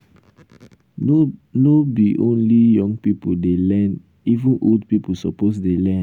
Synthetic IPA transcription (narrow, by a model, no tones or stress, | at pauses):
nobiʔõnlijɔ̃ŋɡpipudelɛn | ivũnʔoldpipusɔposdelɛ̃